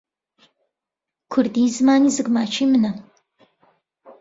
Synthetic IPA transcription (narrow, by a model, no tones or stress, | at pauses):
kʷʰʊrdiːzɨmaːniːzɨɡmaːt͡ʃʰiːmɨnɐ